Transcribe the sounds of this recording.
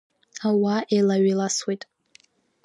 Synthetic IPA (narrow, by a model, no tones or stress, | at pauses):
awaʔelaɥilaswejtʼ